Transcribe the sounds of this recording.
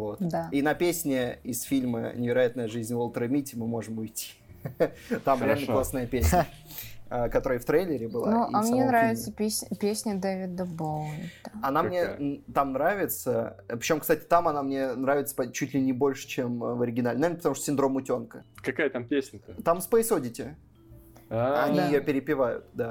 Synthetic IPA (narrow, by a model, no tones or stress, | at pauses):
vo̞t̪d̪ainɐpʲesʲnʲɪɪsfʲilʲmə̰nʲɪvʲɪɾɐjat̪nəjəʐɨzʲnʲvolˠt̪ɾəmʲitʲɪmɨmo̞ʐɨmʊjtʲːi̥ | t̪amɾɪalʲnəklˠasnajəpʲesʲ | əkɐt̪o̞ɾəjəft̪ɾejlʲɪɾʲɪbɨl̰ˠoʔamnʲɲʲenɾavʲɪt̪səpʲesʲnʲpʲesʲnʲəd̪evʲɪd̪əbolnəɐnamnʲet̪amnɾavʲɪt̪səpɾʲɪt͡ɕomkst̪atʲɪ̥t̪amɐnamnʲe̞nɾavʲɪt̪sə̥pɐt͡ɕutʲlʲɪnʲɪbo̞lʲʂɨ̥t͡ɕemvəɾʲɪɡʲɪnalʲnanəpət̪ɐmuʂt̪osʲɪnd̪ɾo̞mʊtʲo̞nkəkɐkajət̪ampʲesʲnʲət̪amspəɪsodʲɪtʲɪ | ɐnʲijɪjopʲɪɾʲɪpʲɪvajʊ̰t̪d̪a